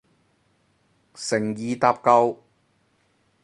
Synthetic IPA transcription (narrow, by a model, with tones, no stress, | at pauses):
sɪ˨˩ŋjiː˨t̪aː˧p̚kɐ˧w